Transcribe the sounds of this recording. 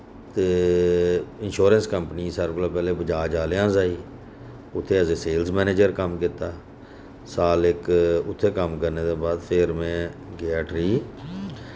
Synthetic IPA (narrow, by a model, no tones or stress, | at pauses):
t̪eː | ɪnʃoːɾənskəmpəniːsəɾklaːpɛːleːbəd͡ʒaːd͡ʒaːlejãːzaːiː | ʊt̪ʰːeːəsẽːseːlzmɛːneːd͡ʒəɾkəmkɪt̪aː | saːlɪkʊt̪ʰːeːkəmkəɾneːd̪eːbaːd̪pʰeɾmẽːɡeaːʈɾiː